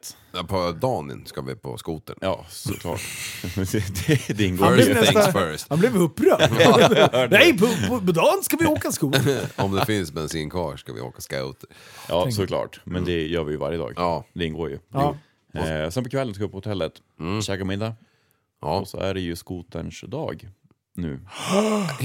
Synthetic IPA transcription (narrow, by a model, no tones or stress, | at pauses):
t̪ | pʰɔd̪ɑːnə̰nskavɪ̰pʰɔ̰skuːt̪ənjɑ̰ːsɔ̰kʰlɑ̰ːʈ̪ɛd̪ɛd̪ɛɪnːɡoːɛsfœɾsanblɪvɵpːɾœ | ɛpʰɔɔpɔd̪ɑːnskavɪjoːkaskuːɔmd̪ɛfɪnsmɛnsinkʰvɑːɔ̥kavɪ̰o̰ːkaska̰ʊt̪ə | ʔɑːsɔkʰlɑ̰ːʈmɛnd̪ɛjœːɾvɪjəva̰ɾjəd̪ɑ̰ːɡd̪ɛɪnːɡoːɾjɵ̰ | sɛnpɔkʰvɛlːənskaɪpːɔhʊt̪ʰɛlːət̪ | ɕɛkaɾmɪd̪ːa | ɔsɔ̰æɖɛjɵskuːt̪əɳʂd̪ɑːɡ | nʉ̟̰ː